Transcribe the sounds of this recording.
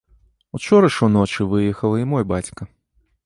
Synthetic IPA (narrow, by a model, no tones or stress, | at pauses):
ut͡ʂɔɾɐʂunɔt͡ʂɨvɨjɛxɐlˠɐimɔjbat͡sʲkɐ